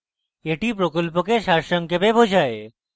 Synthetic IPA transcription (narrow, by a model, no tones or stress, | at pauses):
eʈipɾokolpokeʃaɾʃɔŋkebebod͡ʑʱae